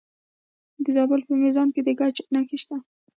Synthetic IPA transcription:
d̪əzɑbʊlpənɪzɑmked̪əɡɑt͡ʃnaxeʃt̪a

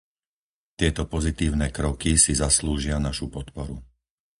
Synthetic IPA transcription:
t̪ɪɛt̪ɔpɔzit̪iːʊnɛːkɾɔkisizasluːʒɪanaʃupɔt̪pɔɾu

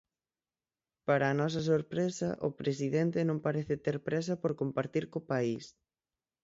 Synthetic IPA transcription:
paɾaːnɔs̬ɐs̬oɾpɾesɐ̰ʔʊ̰pɾes̬iðent̪ɪnõŋpaɾeθɪt̪eɾpɾes̬ɐpoɾkompaɾt̪iɾkopais

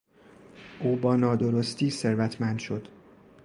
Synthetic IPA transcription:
ʔuːbɒːnɒːd̪oɾost̪ʰiːse̞ɾvæt̪ʰmænd̪̥ʃo̞d̪̥

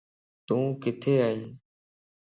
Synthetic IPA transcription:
t̪ũːkɪt̪ʰeːaːĩː

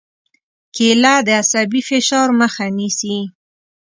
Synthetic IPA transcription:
kelad̪əasabifɪʃɑɾməxanisi

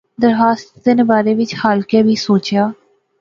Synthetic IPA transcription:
d̪əɾɦaːst̪t̪ɪnbaːɾeːʋɪt͡ʃhaːlkɛːbʱiːsoːt͡ʃjaː

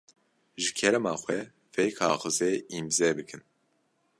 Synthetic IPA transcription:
ʒɨkʰɛɾɛmɑːxwɛ | fɛjkʰɑ̰ːxɨzeːimzɛbɨkʰɨn

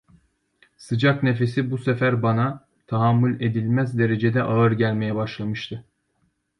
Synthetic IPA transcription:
sɯd͡ʒakne̞fe̞sibusefæɾbana | t̪ʰaɦamːulʲe̞d̪ilʲmæzd̪e̞ɾe̞d͡ʒe̞d̪ɛʔaɯɾɟælʲmejɛbaʃlˠamɯʃt̪ʰɯ

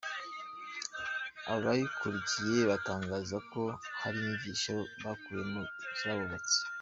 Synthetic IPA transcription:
a̰oβajikʰuɾicije̞βataːŋɡaːzako̞haɾimivɟiʃaβakuɾemucɾaβoβat͡si̥

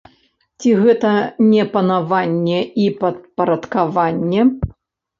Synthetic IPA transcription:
t͡sʲiɣɛt̪ɐnʲɛpɐnavanʲːɛipɐt̪̚pɐɾɐt̪kavanʲːɛ

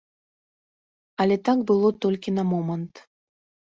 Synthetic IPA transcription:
alʲet̪akbɨlˠot̪olʲkʲinamomənt̪

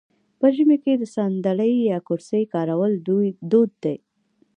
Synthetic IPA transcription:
pəʒəmeked̪əsɑnd̪aɽəjːɑkuɾsəjkɑɾawəld̪od̪̚ːaj

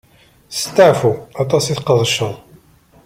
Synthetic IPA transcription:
st̪ːəʕfuɑt̪ˤɑsiθqəðˤʃə

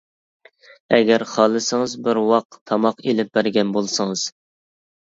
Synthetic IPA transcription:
ɛɡʲɛɾχɑːlˠɨsɨŋɨzbɪɾwɑq̚t̪ʰɑmɑqelɪp̚b̥æɾɡʲɛnbolˠsɨŋɨz̥

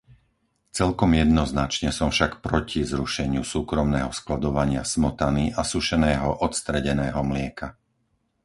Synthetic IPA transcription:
t͡sɛlkɔmjɛd̪nɔznat͡ʃɲɛsɔmfʃakpɾɔcʰizɾuʃɛɲɪusuːkɾɔmnɛːɦɔsklad̪ɔʋaɲɪa̰smɔt̪aniʔasuʃɛnɛːɦɔʔɔt̪st̪ɾɛɟɛnɛːɦɔmlɪɛka

